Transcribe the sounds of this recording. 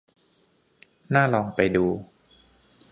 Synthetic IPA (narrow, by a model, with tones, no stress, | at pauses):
naː˥˩lɔː˧ŋpa˧jduː˧